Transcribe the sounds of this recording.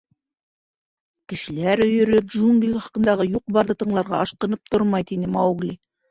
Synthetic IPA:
kɘ̆ʃɘ̆læɾɵ̆jɵ̆ɾɵp̚dʒuŋɡlʲiɑχɑ̥qɤ̆nd̪ɑʁɤjuq̚bɑɾðɤt̪ɤ̆ɴlˠɑɾʁɑ̰ʔɑʃqɤ̆nɤp̚t̪oɾmɑjt̪inɘmɑwɡlʲi

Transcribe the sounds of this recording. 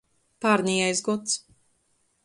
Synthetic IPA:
paɾnijɛjzɡɔt̪s

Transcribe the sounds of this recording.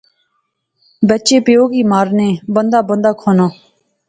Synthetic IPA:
bət͡ʃeːpɪjoːɡiːmaːɾneːbənd̪aːbənd̪aːkʰoːnãː

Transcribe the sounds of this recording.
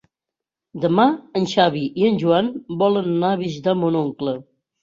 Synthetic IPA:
d̪əmaənʲʃaβiʔiənʲʒuanbɔlənːaβizd̪amonoŋklə

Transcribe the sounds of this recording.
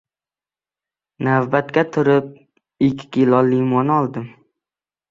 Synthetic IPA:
navbat̪kʲat̪ʰʊɾɪp̚ | ɪkʲʰːɪ̥kʲʰɪlɒlimɒnɒlˠd̪ɪm

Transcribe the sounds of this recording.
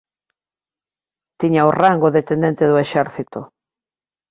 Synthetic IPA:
t̪iɲaoraŋɡoðet̪end̪ent̪eðʊeʃɛɾθit̪o

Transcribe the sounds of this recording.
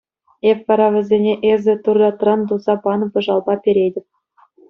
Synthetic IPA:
efʲʋɑɾɑvʲɘ̆zʲenʲeʔezʲɘ̆t̪urd̪ɑt̪rɑnd̪uzɑpɑnɤ̆pʲɤ̆ʐɑlˠbɑpʲeɾʲedʲɘ̆p̚ʲ

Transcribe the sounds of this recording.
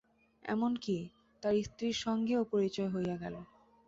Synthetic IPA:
ɛ̰monki | t̪aɾist̪ɾiɾʃɔŋɡeopoɾit͡ɕɔeɦojaɡɛlo

